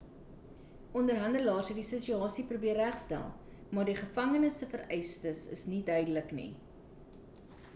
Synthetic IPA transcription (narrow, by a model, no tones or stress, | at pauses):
ɔndərɦɐndəlɑːrsɦədisət͡ʃyɑːsiprubiərːæχstæ̰lˠ | mɑːrdiχəfɐŋənəsəfəɾɛjstəsə̰snidœɥdələknḭ